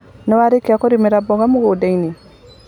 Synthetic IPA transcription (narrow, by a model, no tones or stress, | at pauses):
nɔwaɾekeakoɾimeɾabɔɣamuɣodaini